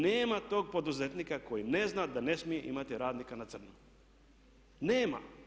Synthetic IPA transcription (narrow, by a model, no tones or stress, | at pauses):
neːmat̪o̞ːɡ̚po̞d̪uzet̪nikakojineznad̪ane̞smijeʔḭmat̪iɾaːd̪nikanat̪sr̩nu | neːma̰